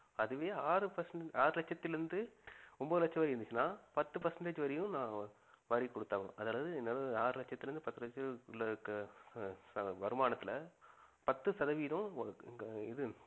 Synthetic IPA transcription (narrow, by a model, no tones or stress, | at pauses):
ɐðɯʋeːaːɾɯpɐsɐɳaːɾɯlɐt͡ʃːɐt̪ːɪlɾɯnd̪ɯɔmboːðɯlɐt͡ʃːɐʋɐːɾiɾɯnd̪ɯt͡ʃːɯnːaːpɐt̪ːɯpɐsɐɳɖeːd͡ʒɯʋɐɾɐjʊ̃nãː | ʋɐːɾikːɔɽɯt̪ːaːʋɐɭʊ̰̃ʔɐðaːɭɐʋɐðɯɛnːaːlɐaːɾɯlɐt͡ʃːɐt̪ːɪlɾɯnd̪ɯpɐt̪ːɯlɐt͡ʃːɐlːɐk | sɐʋɐɾɯmaːnɐt̪ːɪlɐpɐt̪ːɯsɐðɐʋiːðɐ̃ | ɪðɯ